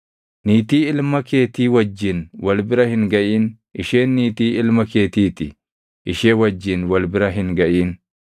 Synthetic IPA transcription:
niːt̪iːɪlmɐkeːt̪iːwɐd͡ʒːɪnwɐlbɪɾɐhɪŋɡɐʔiːn | ʔɪʃe̞ːnːiːt̪iːɪlmɐkeːt̪iːt̪ɪ | ʔɪʃeːwɐd͡ʒːɪnwɐlbɪɾɐɦɪŋɡɐʔiːn

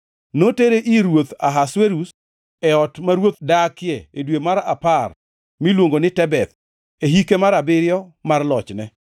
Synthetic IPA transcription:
noteɾeʔiɾwot̪aɦasweɾus | ɛɔtmaɾwot̪̚dakɪjɛedwemaɾa̰par | milwoŋɡonɪtɛbɛt̪ | eɦikemaɾabɪɾɪjɔmarlɔt͡ʃnɛ

